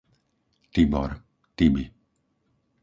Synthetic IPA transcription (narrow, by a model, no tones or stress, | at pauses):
t̪ibɔ̰ɾ | t̪ibi